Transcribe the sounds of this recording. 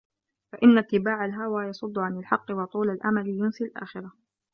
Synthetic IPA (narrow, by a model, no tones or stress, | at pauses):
faʔɪnːat̪ːɪbaːʕalɦawaːjɑsˤʊd̪ˤːʊʕanalħɑqːɪwɑt̪ˤuːlalʔa̰malɪjʊnsɪlʔa̰ːxɪɾˤa